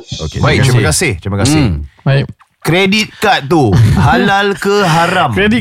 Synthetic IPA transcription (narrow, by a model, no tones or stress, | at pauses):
o̰kebaik̚t͡ʃɾimakasɪht̪ɾiməkasɪhbai | kɾedit̪̚kat̪̚t̪uhalalkəɦaɾamɾɛdi